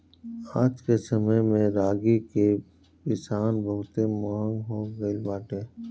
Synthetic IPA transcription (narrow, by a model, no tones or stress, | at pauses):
aːd͡ʒkesəməjmẽɾaːɡike | pɪsaːnbəɦʊt̪emaːŋɡɦoːɡəibaːʈeː